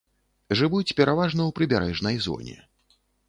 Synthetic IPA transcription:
ʐɨvut͡sʲpʲɛɾavaʐnɐwpɾɨbʲaɾɛʐnɐjzɔ̰nʲɛ̰

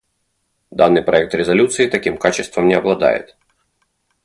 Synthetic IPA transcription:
d̪anːɨjpɾɐɛk̚t̪ɾʲɪzɐlʲut̪sɨɪt̪ɐkʲimkat͡ɕɪst̪vəmnʲɪɐblˠɐd̪a̰jɪ̰t̪

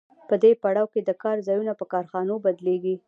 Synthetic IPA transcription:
pəd̪epaɽɑwked̪əkɑɾzɑjunapəkɑɾxɑnobad̪leɡi

